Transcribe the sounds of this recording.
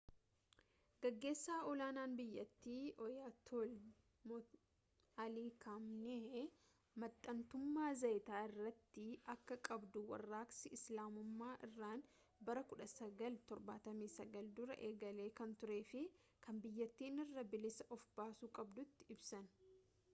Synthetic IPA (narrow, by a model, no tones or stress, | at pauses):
ɡɐɡːe̞ːsːaːɔlaːnaːnbɪjːɐt̪ːiːʔɔjaːt̪ʰol | mɔ | ɐliːkʰamnɛe | mɐt̪ʼːɐnt̪ʊmːaːzɐjt̪aːɪrːɐt̪ːɪʔɐkːɐkʼɐbd̪ʊwɐ̰rːaːksɪʔɪslaːmʊmːaːʔɪ̰rːaːn | bɐɾɐkʊᶑɐsɐɡɐlt̪ɔɾbaːt̪ɐmiːsɐɡɐld̪ʊɾɐ̰ʔe̞ːɡɐle̞ːkɐnt̪ʊɾe̞ːfɪ | kʰɐmbɪjːɐt̪ːiːnɪrːɐbɪlɪsɐʔɔfbaːsuːkʼɐbd̪ʊt̪ːɪɪbsɐn